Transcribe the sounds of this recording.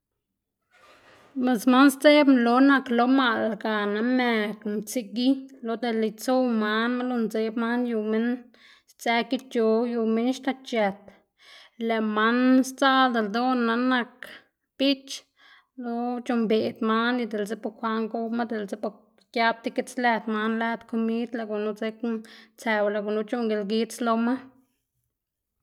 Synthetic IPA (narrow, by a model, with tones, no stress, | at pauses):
me˨sma˦nst͡se˦blo˧˦na˧klo˧˦ma˧lɡa˨na˧me˧˨kmt͡si˧ɡi˦lo˨˧d̪e˧˨li˨t͡so˦ma˧˦nma˦lo˧nt͡se˧˦bma˦nju˧me˦n | st͡se˧˦ki˦t͡ʃjo˨ju˧me˦nʃt̪a˧t͡ʃe˨t̪ | le˨ma˦nst͡sa˦ld̪e˨ld̪o˦nːa˧na˧k | b̥i˦t͡ʃ | lo˦t͡ʃo˧mbe˨d̪ma˦nni˧d̪e˨lze˦po˧kʷa˧ŋɡo˦ma˦d̪e˨lze˦po˧˨ɾ | kja˦b̚t̪i˦ke˦t͡slɛ˧d̪ma˧˦nlæ˧t̪ko˧mi˦d̪la˧˨ɡu˨nu˦ze˦kt͡se˧wla˧˨ɡu˨nu˧t͡ʃo˦ŋɡe˨lɡi˧˦t͡slo˧ma˦